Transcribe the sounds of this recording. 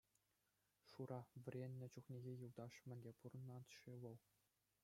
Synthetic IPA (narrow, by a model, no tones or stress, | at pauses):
ʂuɾɑʋʲɘ̆rʲenʲːɘ̆t͡ɕuχnʲeɣʲejuld̪ɑʂmʲɘ̆nʲdʲepurɤ̆nɑt̪ʂiʋɤ̆lˠ